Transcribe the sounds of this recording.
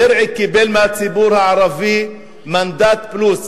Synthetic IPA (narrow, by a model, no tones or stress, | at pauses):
ɪɾʕikibeːlmat̪sibuːɾʕɑɾˤɑvi | mand̪aːt̪̚bluːs